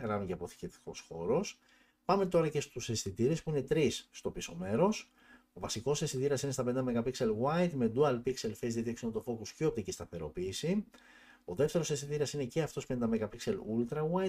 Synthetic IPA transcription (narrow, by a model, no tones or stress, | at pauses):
ɾɐnceɐpo̞θi̥cet̪i̥ko̞sxo̞ɾo̞s | pɐme̞t̪o̞ɾɐce̞st̪use̞st̪it̪iɾespuine̞t̪ɾisːt̪o̞piso̞me̞ɾo̞s | o̞vɐsiko̞sest̪it̪iɾɐsinest̪ɐpenind̪ɐmekɐpikse̞lɣwɐjt̪me̞d̪uɐlpikse̞lfezðiet̪ieksionot̪ofo̞kusceop̚t̪icist̪ɐθe̞ɾo̞̰piːsi | o̞ðe̞ft̪e̞ɾo̞sest̪it̪iɾɐsine̞ceɐft̪o̞spenid̪ɐmekɐpikse̞lult̪ɾɐwajt̪